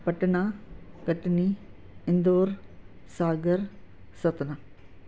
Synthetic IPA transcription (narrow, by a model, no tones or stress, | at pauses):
pɐʈːɐnaːkɐʈːni | ɪnd̪oːɾ | saːɡɐɾ | sɐt̪na